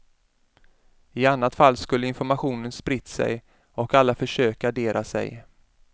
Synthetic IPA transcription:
ɪanːat̪falːskɵlːəɪnfɔɾmaɧuːnənspɾɪt̪ːsɛ̰j | ɔkalːafœʂøːkaːɖeːɾʔa̰sɛ̰j

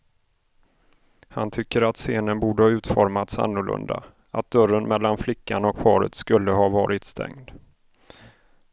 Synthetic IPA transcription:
hant̪ʰʏkːəɾat̪seːnənbuːɖəhɑːʉ̟ːt̪fɔɾmat̪sa̰nːʊɭɵ̰nd̪a̰ | at̪̚d̪œɾənmɛlːanflɪkːanɔkpʰɑːɾə̰t̪skɵlːəɦɑːvɑːɾɪt̪st̪ʰɛ̰ŋd̪

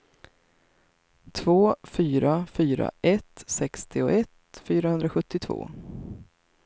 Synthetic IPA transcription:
t̪ʰvoːfyːɾafyːɾa̰ʔɛt̪sɛkst̪ʰɪɔʔɛt̪fyːɾahɵnd̪ɾaɧɵt̪ːɪt̪ʰvo̰ː

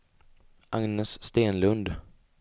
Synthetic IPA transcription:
ʔaŋnɛsːt̪eːnlɵnd̪

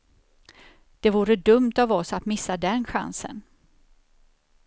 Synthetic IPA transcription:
d̪̥ɛvuːɾəd̪ɵmt̪avɔsat̪mɪsːad̪ɛnɧa̰nsə̰n

